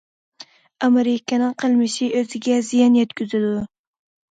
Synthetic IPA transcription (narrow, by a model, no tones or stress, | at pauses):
ɑmeɾɪkʲɪnɪŋqʰəlˠmɪʃiʔøzɪɡʲɛzijɑnjɛt̪kʲyzɪd̪u